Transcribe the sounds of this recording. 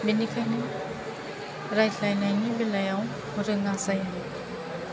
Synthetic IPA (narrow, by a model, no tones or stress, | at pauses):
binikʰajnɯ | ɾajɬʰajnajnibelajaw | ɾɯŋasaja